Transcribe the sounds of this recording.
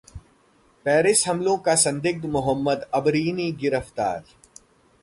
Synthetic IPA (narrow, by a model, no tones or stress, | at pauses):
pɛːɾɪsɦɐmlõkasɐ̃nd̪ɪɡ̚d̪mʊɦəmːəd̪ɐbɾiːniːɡɪɾəft̪a̰ːɾ